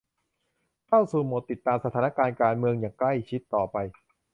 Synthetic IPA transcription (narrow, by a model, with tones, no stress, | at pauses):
k̪ʰa˥˩wsuː˨˩mo˨˩t̪ːi˨˩t̪ːaː˧msa˧t̪ʰaː˩˦na˥˧kaː˧nkaː˧nmɯ˧əŋjaː˨˩ŋkla˥˩jt͡ɕʰi˦˥t̪ːɔː˨˩pa˧j